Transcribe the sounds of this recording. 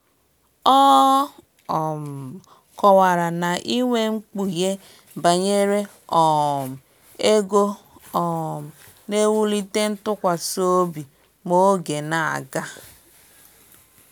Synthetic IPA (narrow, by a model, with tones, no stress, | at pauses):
ɔ˦˨ | m̩˨ | kɔ˨wa˨ɾa˨na˨ʔi˦ŋʷe˦ŋ͡m̩˦k͡pu˨je˦ | ba˨ɲe˦ɾe˦ | ɔ˨m̩˨ | e˦ɡo˦ | ɔ˨m̩˨ | ne˦wu˦li˦te˦n̩˦tʊ˦kʷa˨so˦bi˨ | mo˦ɡe˨na˨a̰˨ɡa˦